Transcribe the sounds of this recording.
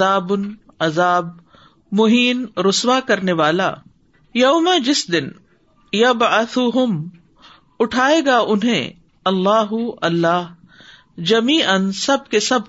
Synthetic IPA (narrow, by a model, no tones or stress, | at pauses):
aːbʊn | ɐzaːb | mʊɦiːnɾʊswakɐɾneʋaːla̰ | jɐːmad͡ʒɪsd̪ɪn | jɐbʕɐθuɦʊm | ʊʈʰaːeːɡaʔʊnɦḛ̃ | ɐlːaːɦʊɐlːaːɦ | d͡ʒɐmiːʔənsɐb̚kesɐb